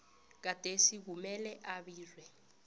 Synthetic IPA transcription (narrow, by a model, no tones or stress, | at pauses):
k̬ad̥ʱesiɣ̬umɛlɛʔaβiːlwɛ